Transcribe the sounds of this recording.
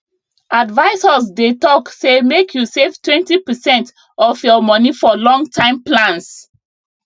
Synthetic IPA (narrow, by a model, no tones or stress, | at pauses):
ʔadvaɪsasdetɔksemekʰjusevtwɛ̃ntipəsɛ̃nt | ɔfjɔmɔnifɔlɔ̃ŋɡtʰãɪ̃mplãns